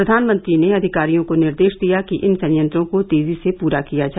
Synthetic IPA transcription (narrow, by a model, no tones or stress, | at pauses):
ɾɐd̪ʱaːnmə̃nt̪ɾineɐd̪ʱɪkaːɾijõkonɪɾd̪eːʃd̪ijakiʔɪnsɐ̃njə̃nt̪ɾõkot̪eːzisepuːɾakijad͡ʒaː